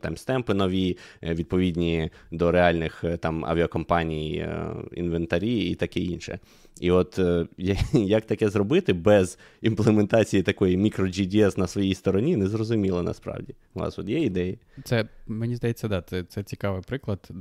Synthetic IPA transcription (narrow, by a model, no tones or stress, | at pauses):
t̪ɑ̰mst̪ɛmpɪnɔʋʲiʋʲid̪̚pɔʋʲidʲnʲid̪ɔɾeɑlʲnɪxt̪ɑmɐ̰ʋʲiɐkɔmpɑnʲijḭnʋent̪ɐɾʲiḭt̪ɐkɛinʃɛ̰ | iɔt̪jjɐk̚t̪ɐkɛzɾɔbɪt̪ɪbɛz | implˠement̪ɑt͡sʲijit̪ɐkɔjimʲikɾɔd͡ʒid̪ʲiɛsnɐsʋɔjijst̪ɔɾɔnʲinɛzrɔzʊmʲilˠɔnɐ̰spɾɑ̰wdʲi | ʋɑ̰sɔt̪jɛid̪ɛjɐt̪sɛmenʲizd̪ɐjet͡sʲːɐd̪ɑt̪sɛt̪sɛt͡sʲi̥kɑʋɪpɾɪklˠɐd̪